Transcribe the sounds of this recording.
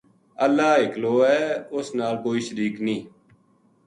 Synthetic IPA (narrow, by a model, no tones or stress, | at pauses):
əlːaːɦɪkloːɛːʊsnaːlkoːiːʃəɾiːknĩː